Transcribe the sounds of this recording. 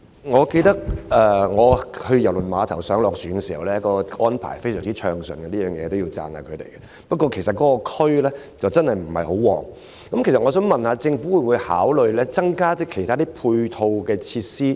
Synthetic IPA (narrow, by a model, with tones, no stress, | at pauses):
ŋɔː˨˧ke˧jt̪ɐ˥k̚ʔɛ˨˧ŋɔː˨˧hɵ˧jɐ˨˩wlɵ˨˩nmaː˨˧t̪ʰɐ˨˩wsœː˨˥ŋlɔː˨k̚syː˨˥nŋɛ˧siː˨˩hɐ̰˨wlɛː˥jkɔː˧ʔɔː˥npʰa̰ː˨˩jfe˥jsœː˨˩ŋt͡siː˦˥t͡ʃʰœː˧ŋsɵ̰˨nkɛ˧niː˥œː˨˩ŋjɛ̰ː˨˧t̪o˥wjiː˧wt͡sa̰ː˧nha̰ː˧kʰɥt̪ḛ˨˩jkɛ˧ | pɐ˥t̚kːɔː˧kʰe˨˩jsɐ˨t̚kːɔː˨˥kɔ˧kʰɵ˥ɥlɛː˥ | t͡sɐ˨wt͡sɐ˥nhɐ˨jm̩˨˩hɐ̰˨jho˨˥wwɔ̰ː˨˩ŋ | kɐ˨˦mke˨˩sɐ˨tŋɔː˨˧s̬œː˨˥ŋmɐ˨nhaː˧t͡sɪ˧ŋfuː˨˥wu˨˧jwuː˨˧jhaː˨˥wlɵ˨ɥlɛː˥t͡sɐ˥ŋkaː˥t̪ɵ˥kʰe˨˩jt̪ʰaː˥t̪iː˥pʰuː˧jt̪ʰo˧wkɛː˧t͡sʰiː˧tsiː˥